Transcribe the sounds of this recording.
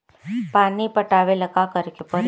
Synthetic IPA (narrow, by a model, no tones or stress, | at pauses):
panipəʈaʋeləkakəɾkupəɾ